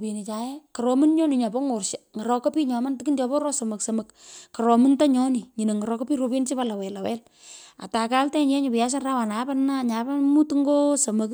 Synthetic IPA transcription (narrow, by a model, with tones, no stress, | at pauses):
pe˨ni˨t͡ʃa˨jɛ˦kɔ˨ɾɔ˨mɨ˦nɲɔ˦ni˨ɲɔ˨bɔ˦ŋo˨rʃa˨ŋə˨ɾɔ˨kɔ˦piː˦ɲɔ˨ma˦ntɪ˨ki˦nt͡ʃɔ˨bɔ˦ɾɔ˦so˨mɐ˨ksə˨mɐ˨kkɔ˨ɾɔ˨mɨ˦nta˦ɲɔ˦ni˨ɲi˨ne˨ŋə˨ɾɔ˦kɔ˦pi˦ro˨pe˦nt͡ʃi˦pa˦la˨wɛ˨la˨wɛ˦l | a̰˨ta˨ka˦ltɛ˦ɲ˦ɛ˦ɲo˨pɪ˨ja˦ʃ̬a˦nra˦wa˨na˨˦pa˦nna˦ɲa˨ba˦mu˦tŋɡo˦so˨mə˨k